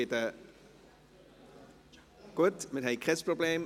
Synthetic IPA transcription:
etə | kutmɛtɦɛjkrɛsprobleːm

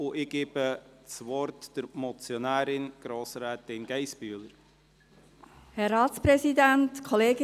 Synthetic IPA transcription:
ʊʔɪɡ̥eːb̥ət͡sʋɔɾtd̥əɾmɔt͡sjɔnæːɾɪnɡ̥ɾoːsɾæːt̪ɪnɡ̥ɛɪsb̥yələɾ | hɛɾɑːtspɾɛsidæntkʰɔleːɡɪ

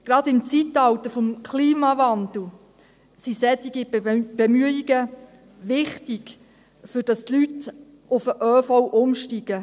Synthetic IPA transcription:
ɡ̥ɾɑdɪmt͡sitɑwt̪əfɔmkʰliːmɑvɑnd̪l̩ | sisɛtiɡib̥ɛmyəiɡə | ʋɪχtiɡ | fʏɾd̥ɑstlyt | ʔʊfəʔœːfɔwʔʊmʃtiɡ̥ə

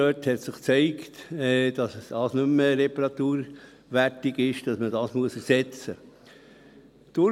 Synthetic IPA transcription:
øthɛt̪sɪχt͡sɛɪktɛd̥ɑsd̥ɑːsnʉmːəɾɛpɑɾɑt̪uːɾ | ʋætiɡɪʃd̥ɑsmədɑːsmuəsɛsɛt͡sə | d̪̥ʊ

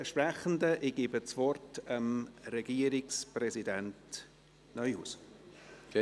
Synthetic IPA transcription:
ʃpɾɛχən̩dəʔɪɡ̥iːbət͡svɔrtəmɾɛɡ̥iːəɾɪksprɛzidɛnt | nœʏhṵːs

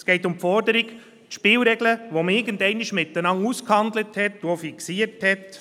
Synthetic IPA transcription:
sɡ̥ɛɪtʊmpfɔɾdəɾɪɡ | tʃpɪːlɾɛɡləʋomɪɾɡən̩dɛɪnɪʃmɪtːənɑŋuskhɑnd̪ləthɛtːofiksiəɾthɛt

